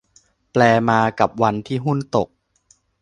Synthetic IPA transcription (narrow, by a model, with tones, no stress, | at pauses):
plɛː˧maː˧ka˨˩p̚wa˧nt̪ʰiː˥˩ɦu˥˩nt̪o˨˩k̚